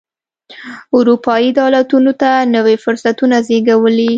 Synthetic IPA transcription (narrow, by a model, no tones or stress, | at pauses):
ʊɾupɑid̪ɑlat̪unot̪anəwefʊɾsat̪unazeɡawəli